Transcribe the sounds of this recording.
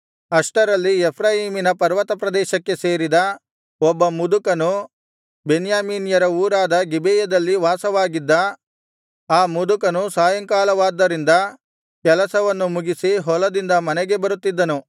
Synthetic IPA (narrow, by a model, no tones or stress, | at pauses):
ɐʂʈɐɾɐlːiepʰɾaːɦiːminɐpɐɾʋɐt̪ɐpɾɐd̪ɛːʃɐkːe̞se̞ːɾid̪ɐ | ɔbːɐmud̪ukɐnu | benjaːmiːnijɐɾɐuːɾaːd̪ɐɡibeːjɐd̪ɐlːiʋaːsɐʋaːɡid̪ːɐ | aːmud̪ukɐnusaːjɐŋkaːlɐʋaːd̪ːɐɾind̪ɐ | kɛlɐsɐʋɐnːumuɡisiɦɔlɐd̪ind̪ɐmɐnɛɡe̞bɐɾut̪ːid̪ːɐnu